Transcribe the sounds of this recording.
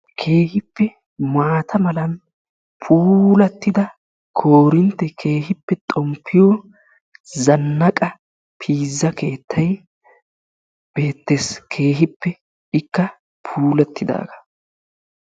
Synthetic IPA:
kʰe̞ːhɪpːɛ | maːt̪ʰɐmɐlɐn | pʰuːlɐt̪ːɪd̪ɐ | kʰoːɾɪnt̪ːɛkʰeːhɪpːɛt̪ʼɔmpʰːɪjɔ | zɐnːɐkʼɐ | pʰiːzːɐke̞ːt̪ːɐj | b̥eːt̪ːeskʰe̞ːɦɪpːɛ | ɪkːɐ | pʰuːlɐt̪ːɪd̪a̰ːɡɐ̥

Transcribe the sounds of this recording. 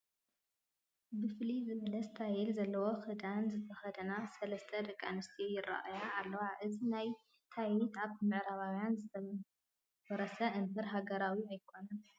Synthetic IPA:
bɨflizɨβɐlɐsɨt̪ʰajɛlzɐlːɐwo̞xɨd̪anzɨt̪ʰɐxɐd̪ɐnasɐlɐst̪ʰɐd̪ɐkʼːanɨst̪ʰijɪra̰ʔajaalːɐwaʔɨzinaj | t̪ʰajit̪aβt̪ɨmɨʔɾaβawjanzɨt̪ʰɐ | bɐɾɐsɐʔɨnt̪ʰɐɾɦaɡɐɾawiajkʰo̞nɐn

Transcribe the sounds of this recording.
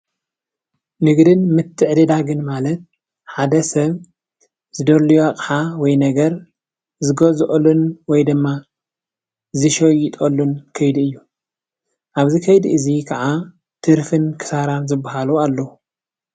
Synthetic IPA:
nɨɡd̪ɨnmɨt̪ʰːɨʕd̪ɐd̪aɡɨnmalɐt̪̚ | ħad̪ɐsɐβ | z̥ɨd̪olijoakʼħawɔjnɐɡɐɾ | zɨɡozʔʼlunwɔjd̪ɨmːa | zɨʃojɪt̪ʼolːunkʰɐjd̪ɨjːu | ʔaβzikʰɐjd̪ʔɨzikʰɐʕa | t̪ʰɨɾfɨnkʰɨ̥saɾanzɨbːaɦalualːɐu

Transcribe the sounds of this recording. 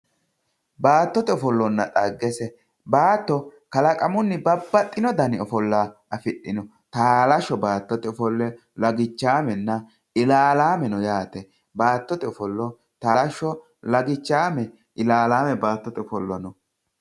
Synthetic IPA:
baːt̪ːɔt̪ɛɔfɔlːɔnːɐt̪ʼɐɡːɛsɛ | baːt̪ːɔkɐlɐkʼɐmʊnːɪbɐbːɐt̪ʼːɪnɔd̪ɐnɪɔfɔlːaːʔɐfɪɗːɪnɔ | t̪aːlɐʃːɔbaːt̪ːɔt̪ɛɔfɔlːɛ | lɐɡɪt͡ʃːaːmɛnːɐ | ɪlaːlaːmɛnɔjaːt̪ɛ | baːt̪ːɔt̪ɛɔfɔlːɔ | t̪aːlɐʃːɔ | lɐɡɪt͡ʃːaːmɛ | ʔɪlaːlaːmɛbaːt̪ːɔt̪ɛɔfɔlːɔnɔ

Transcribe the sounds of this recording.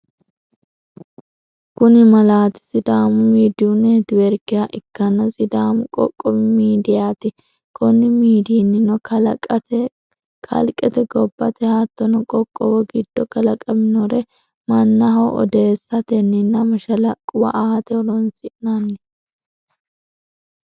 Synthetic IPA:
kʊnɪmɐlaːt̪ɪ̥sɪd̪aːmʊmiːd̪ɪʊned̪ɪwɛɾkɪjaʔɪkːɐnːɐsɪd̪aːmʊkʼɔ̰kʼːɔmɪmiːd̪ɪjaːt̪ɪ | kʰɔnːɪmiːd̪iːnːɪnɔ | kʰɐ̰lkʼɛt̪ɛɡɔbːɐt̪ɛhaːt̪ːɔnɔkʼɔkʼːɔwɔɡɪd̪ːɔkɐlɐkʼɐmɪnɔɾɛ | mɐnːɐɦɐwʔɔ̰d̪eːsːɐt̪ɛnːɪnːɐmɐʃɐlɐkʼʊwɐ̰ʔaːt̪ɛɔɾɔnsɪʔnanːɪ

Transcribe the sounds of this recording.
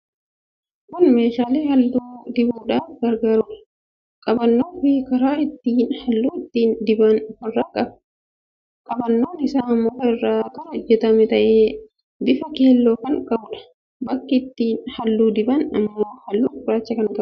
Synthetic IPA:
kʊnmeːʃaːleːhɐlːuːd̪ɪbuːᶑaːfɡɐɾɡaːɾuːᶑɐ̥ | kʼɐbɐnːoːfɪkɐɾaːɪt̪ːiːnhɐlːuːɪt̪ːiːnd̪ɪbɐnhɔrːaːkʼɐb̥ | kʼɐbɐnːo̞ːnɪsaːɐmːoːrːaːkɐɾɐɔd͡ʒːɛt̪ɐmɛt̪ɐʔeː | d̪ɪfɐkeːlːoːkɐŋkʼɐbʊᶑɐ̥ | bɐkːɪɪt̪ːiːnhɐlːuːd̪ɪbɐnɐmːoːhɐlːuːʊɾaːt͡ʃːɐkɐnkʼɐb

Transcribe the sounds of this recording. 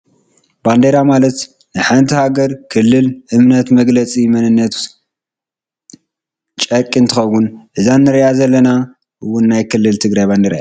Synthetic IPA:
b̥and̪eɾamalɐt̪ | nɨħant̪ʰihaɡɐɾkʰɨlːɨlʔɨmnɐt̪mɐɡlɐt͡sʼimɐnɨnːɐt̪ | t͡ʃʼɐkʼːint̪ʰɨxɐwːunʔɨzanːɨɾɐʔazɐlːɐna | ʔɨwʊnːajkʰɨlːɨlt̪ʰɨɡɾajband̪eɾ̰jʔa

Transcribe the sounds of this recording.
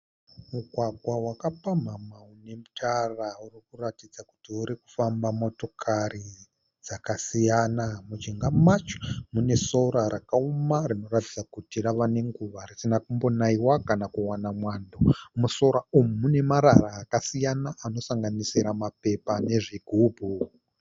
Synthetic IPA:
muɡʱwaɡʱwawakapam̤amaune̞mutʰaraurikuratid͡zaku̥tiuɾiku̥fambamo̞to̞kʰari | d͡z̥akasijanamud͡ʒiŋɡamat͡ʃo̥mune̞so̞ɾaɾakaumarino̞ratid͡zakutiraʋane̞ŋɡuʋarisinakumbo̞naiwakanakuwanamwandomuso̞ɾaumumune̞maɾaraːkasijanaʔano̞saŋɡanisiɾamape̞pane̞ʐiɡʱubʱu

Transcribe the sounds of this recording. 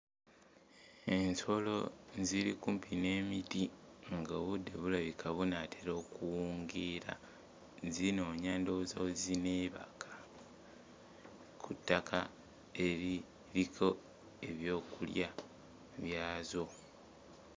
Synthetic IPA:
e̞nso̞lo̞̰ziɾikumpʰine̞ːmitiŋɡoːβudːe̞βulaβikʰaβunatʰeɾo̞ːkuwuːŋɡiɾa̰ | zino̞ːɲaːndozawozineːβa̰kʰḁ | kʰutːakʰa | e̞ɾi | ɾikʰo̞ | e̞βjo̞ːkulja | βjaːzo̞

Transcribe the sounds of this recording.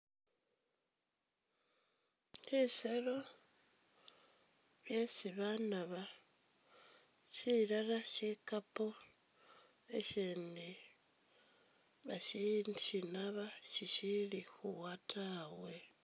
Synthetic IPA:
liselo̞ | βjesiβanaβa | ʃiɾalaʃikapo | eʃiːni | βaʃinʃinaβaʃiʃilixuwatʰawe

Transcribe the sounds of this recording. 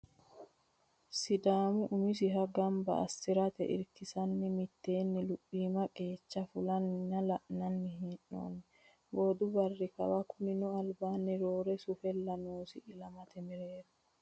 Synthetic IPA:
sɪd̪aːmʊʔʊmɪs̬ɪɦɐɡɐmbɐ̰ʔɐ̰st̪ɪɾɐt̪ɛ̰ʔɪ̰ɾkɪsɐnːɪmɪt̪ːe̞ːnːɪlʊpʼːiːmɐkʼe̞ːt͡ʃːɐfʊlɐnːɐlɐʔnɐnːɪɦinːo̰ːnːɪ | boːd̪ʊbɐrːɪkɐ̰wɐkʊnɪnʊɐlbaːnːɪɾoːɾɛsʊfɛlːɐnoːsɪɪlɐmɐt̪ɛmɪɾeːɾɐ

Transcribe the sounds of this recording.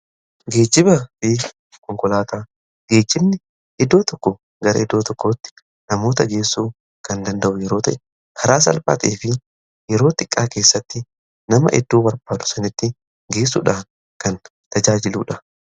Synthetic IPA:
ɡe̞ːd͡ʒːɪbɐfɪ | kɔŋkɔlaːt̪aː | ɡ̥e̞ːd͡ʒːɪbnɪ | ʔɪd̪ːo̞ːt̪ɔkːɔ | ɡɐɾɐ̰ɪd̪ːoːt̪ɔkːoːt̪ːɪ̥ | nɐmo̞ːt̪ɐɡe̞ːsːuː | kɐnd̪ɐnd̪ɐʔʊjɛɾoːt̪ɐʔɛ | kʰɐɾaːs̬ɐ̰lfa̰ːt̪eːfɪ | jɛɾo̞ːt̪ɪkʼːaːke̞ːsːɐt̪ːɪ | nɐmɐ̰ʔɪ̰d̪ːuːbɐɾbaːd̪ʊ̥sɐnɪt̪ːɪ | ɡe̞ːs̬ːṵːᶑaːn | kɐn | t̪ɐd͡ʒaːd͡ʒɪluːᶑɐ

